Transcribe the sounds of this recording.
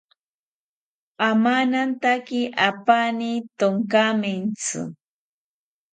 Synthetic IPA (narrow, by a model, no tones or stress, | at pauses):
amanant̪akɪʔapanit̪oŋkamɪnt͡sʊ̰